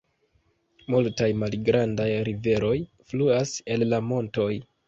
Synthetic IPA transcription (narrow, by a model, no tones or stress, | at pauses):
multajmalɡɾandajɾive̞ɾo̞j | fluase̞lːamo̞nto̞j